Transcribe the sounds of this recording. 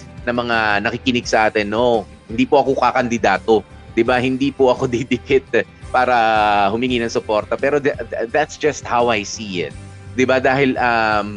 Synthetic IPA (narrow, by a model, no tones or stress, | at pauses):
nɐmɐŋanɐkɪkɪnɪɡ̚sɐʔaːt̪ɪnːo̞ | hɪnd̪iːpoʔɐko̞kakɐnd̪ɪd̪aːt̪o̞ | d̪̥ɪbahɪnd̪iːpoʔɐko̞d̪id̪ɪɡɪt̪̚ | paːɾɐhʊmɪŋiːnɐŋsʊpo̞ɾt̪ɐpɛːɾo̞d̪d̪at̪sd͡ʒɐst̪̚hawajsiːɪ̰t̪̚ | d̪ɪbad̪aːhɪlʔɐm